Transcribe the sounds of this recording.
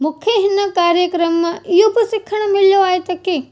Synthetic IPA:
mʊkʰjeɦɪnɐkaːɾjəkɾəmːãʔiɦobɪsɪkʰːəɽ̃mɪljoaːet̪ɐki

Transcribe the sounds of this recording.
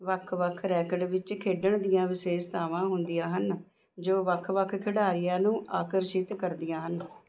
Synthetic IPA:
ʋəkʰʋəkʰɾɛːkəɽʋɪt͡ʃkʰeːɖəɳ̃d̪ijãːʋɪseːst̪ʰaːʋãːɦʊnd̪ijãːɦən | d͡ʒoːʋəkʰːʋəkʰkʰɪɽaːɾɪjãːnũːʔaːkəɾʃɪt̪kəɾd̪ijãːɦən

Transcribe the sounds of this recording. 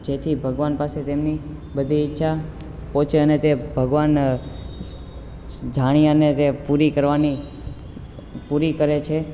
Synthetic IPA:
d͡ʒet̪ʰibʱəɡʋanpaset̪emni | bəd̪ʱiːtːʃʰa | pɔ̃t͡ʃeənet̪ebʱəɡʋan | d͡ʒaɽ̃ijanet̪epuɾikəɾʋani | puɾikəɾet͡ʃʰe

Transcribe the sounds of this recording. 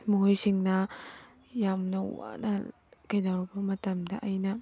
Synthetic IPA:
muɦojsiŋnɐ | jamnɐwa̰nɐ | kɐjdawɾbɐmɐtɐmdɐʔɐjnɐ

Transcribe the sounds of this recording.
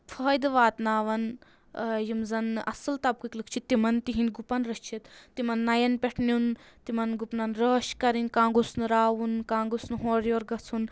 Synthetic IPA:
fʰɐːjd̪ɨʋaːt̪naːʋɐn | jimzɐnʔɐ̰sɨlt̪ɐb̚kiklɨkʰt͡ʃʰit̪ːimɐnt̪iɦinɡupɐnɾɐʃt͡ʃʰit̪t̪ːimɐnːɐjɐnpʲeʈʰnʲunt̪imɐnɡupnɐnɾəːʃkɐɾinʲkãːɡusnɾaːʋunkãːɡusnɦoːɾjoːɾɡɐt͡sʰun

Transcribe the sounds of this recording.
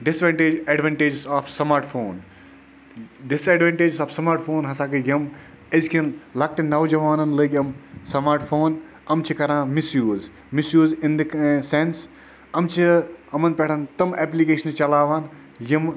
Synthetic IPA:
ɖɪsʋeɳʈeɛɖʋẽɳʈed͡ʒsaːfsɐmaːɾʈfʰoːn | ɖɪsɛːɖʋẽɳʈeːd͡ʒsaːfsɐmaːɾʈfʰoːnɦɐsaːkɨjɐm | ɐzkʰenlɐk̚ʈinɐwd͡ʒɐʋaːnɐnlɨːɡʲɐmsɐmaːɾʈfʰoːn | ɐmt͡ʃʰikɐɾãːmisjuːz | misjuːzɪnd̪ɨksens | ɐmt͡ʃʰiɐmɐnpeʈʰɐnt̪ɐmɛːplikeːʃɐnt͡ʃɐlaːʋaːn | jɐm

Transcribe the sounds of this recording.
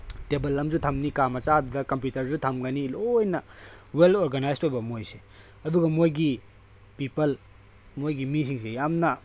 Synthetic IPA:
tebɐlːɐmzutʰɐmnikamɐt͡ʃadudɐkɐmp̬jutɐɾzutʰɐmɡɐnilojnɐ | weltoɾɡanajstojbɐmojse̥ | ɐduɡɐmojɡi | pipɐl | mojɡimis̬iŋs̬ejamnɐ

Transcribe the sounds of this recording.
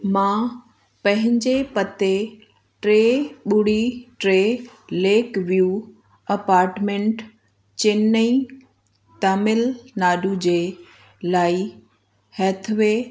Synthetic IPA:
mã | pɐ̃ɦɪ̃ɲd͡ʑepɐt̪e | ʈɾeːɓʊɽ̤iʈɾeleːkʋijuː | ɐpaːɾʈmẽːɳʈ | t͡ɕɪni | t̪aːmɪlnaːɖud͡ʑeː | laːi | hɛːt̪ʰʋeː

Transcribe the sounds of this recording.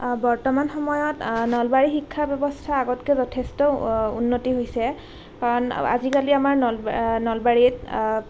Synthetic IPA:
bɔɹtɔmanxɔmɔjɔtnɔlbaɹixikʰːabɛbɔstʰaːɡɔtkɛzɔtʰestɔṵnːotiɦojsɛ | kaɹɔna̰zikaliamaɹnlnɔlbaɹit

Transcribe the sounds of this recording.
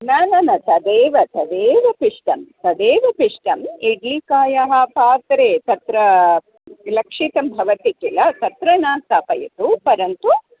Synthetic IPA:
nanɐnɐt̪ɐd̪eːʋɐt̪ɐd̪eːʋɐpiʂʈɐmt̪ɐd̪eːʋɐpiʂʈɐmeɖlikaːjɐɦɐpaːt̪ɾeːt̪ɐt̪ɾɐ | lɐkʂit̪ɐmbʱɐʋɐt̪ikilɐt̪ɐt̪ɾɐnaːst̪aːpɐjɐt̪upɐɾɐnt̪u

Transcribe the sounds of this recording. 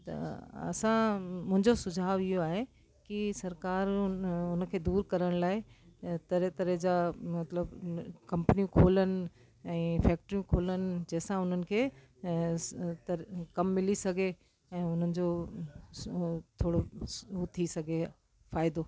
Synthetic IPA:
t̪ɐ̰ɐ̰sãmʊ̃ɦɪ̃ɲd͡ʑosʊd͡ʑʱaːʋɪɦoaːɦe | kisɐɾkaːɾʊnə̆kʰeːd̪uːɾkɐɾəɽ̃laːɪt̪ɐɾet̪ɐɾed͡ʑaːmɐt̪ləbkɐ̃mpənijũkʰoːlənɪ̆ | ɛ̃ːfɛːk̚ʈɾijũkʰoːlənɪ̆d͡ʑɛɦɪsãʊn̤ənɪ̆kʰeː | t̪ɐkɐmːɪlisɐɡʱe | ɛ̃ːʊn̤ənɪ̆d͡ʑo | t̪ʰoːɽouːt̪ʰisɐɡʱe | faːɪd̪oː

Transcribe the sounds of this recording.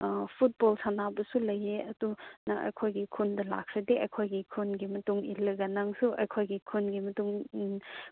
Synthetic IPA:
pʰut̚bolsanabɐsulɐjeɐdunɐʔɐ̰jkʰojɡikʰundɐla̰kʰɾideʔɐjkʰojɡikʰunɡimɐtuŋilɐɡɐnaŋsuʔɐjkʰojɡikʰunɡimɐtuŋ

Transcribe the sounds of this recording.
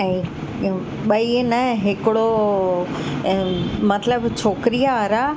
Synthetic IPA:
ɛ̃ | ɓɐinɐɦɪkɪɽo | mɐt̪ləbt͡ɕʰoːkɪɾijaɐɾa

